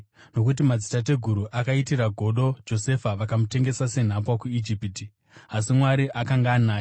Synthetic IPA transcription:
no̞kut̬imad͡zitat̬e̞ɡʱuɾuʔakaitiɾaɡʱo̞ɗo̞d͡ʒo̞se̞faʋakamute̞ŋɡe̞sase̞n̤apwakuid͡ʒipiti | as̬imwaɾiʔakaŋɡaːnaːj

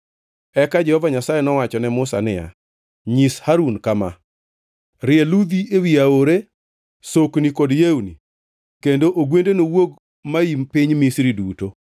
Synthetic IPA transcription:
ɛkad͡ʒɛhɔvaɲasajenɔwat͡ʃɔnɛmʊsa̰nɪja̰ | ɲishaɾunkama̰ | ɾɪɛlud̪iewiaoɾe | soknikɔdjeuni | kendoʔoɡwendenowoɡ | maimpɪɲmisɾiduto

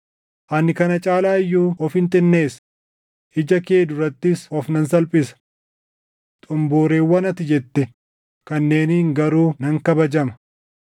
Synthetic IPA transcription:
ʔɐnːɪkɐnɐt͡ʃʼaːlaːɪjːuːɔfhɪnt̪ʼɪnːe̞ːs | ʔɪd͡ʒɐke̞ːd̪ʊrɐt̪ːɪsɔfnɐnsɐlpʼɪsɐ̥ | t̪ʼʊmboːɾeːwːɐnɐt̪ɪd͡ʒɛt̪ːɛ | kɐnːeːnŋɡɐɾuːnɐŋkɐbɐd͡ʒɐmɐ̥

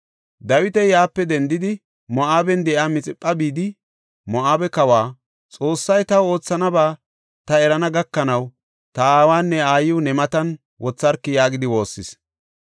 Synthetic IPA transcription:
d̪ɐwɪt̪ɛjaːpːɛd̪ɛnd̪ɪd̪ɪ | mɔʔaːbɛnd̪ɛʔaːmɪt͡sʼɪpʼːɐbiːd̪ɪ | mɔʔaːbɛkɐwaː | t͡sʼo̞ːsːɐjt̪ɐwo̞ːt͡sːɐnɐbaː | t̪ɐɛɾɐnɐɡɐkːɐnɐw | t̪ɐaːwaːnːɛaːjɪʊnɛmɐt̪ɐn | wʔɔt͡sːɐɾkːɪjaːɡɪd̪ɪwo̞ːsːɪs

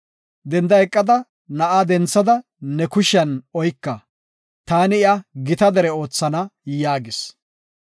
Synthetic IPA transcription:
d̪ɛnd̪ɐjɛkʼːɐd̪ɐ | nɐʔad̪ɛnt͡sːɐd̪ɐ | nɛkʊʃɪɐnɔjkːɐ | t̪aːnɪɪɐɡɪt̪ɐd̪ɛɾɛo̞ːt͡sːɐnɐjaːɡɪs

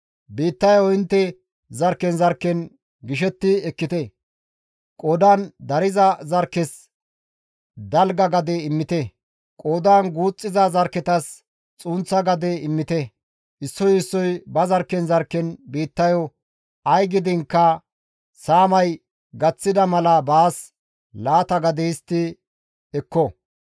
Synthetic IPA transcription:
biːt̪ːɐjɔɪnt̪ːɛ | zɐɾkːɛnzɐɾkːɛn | ɡɪʃɛt̪ːɪɛkːɪt̪ɛ | kʼɔd̪aːnd̪ɐɾɪzɐzɐɾkːɛs | d̪ɐlɡɐɡɐd̪ɛɪmːɪt̪ɛ | kʼoːd̪aːnɡuːt͡sʼːɪzɐzɐɾkːɛt̪ɐs | t͡sʼuːnt͡sːɐɡɐd̪ɛɪmːɪt̪ɛ | ʔɪsːɔjɪsːɔjbɐzɐɾkːɛnzɐɾkːɛnbiːt̪ːɐjɔ | ɐjɡɪd̪ɪŋkːɐ | saːmɐj | ɡɐt͡sːɪd̪ɐmɐlɐbaːs | laːt̪ɐɡɐd̪ɛst̪ːɪ | ɛkːɔ

